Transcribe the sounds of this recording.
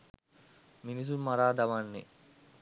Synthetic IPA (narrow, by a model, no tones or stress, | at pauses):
minis̬ummaɾaːd̪aʋanːḛ